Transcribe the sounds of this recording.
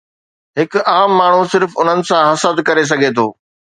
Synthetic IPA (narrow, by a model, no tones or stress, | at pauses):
ɦɪkʊ̆aːmːaːɳ̤usɪɾfʊn̤ənɪ̆sãɦɐsəd̪kɐɾes̬ɐɡʱet̪ʰo̰ː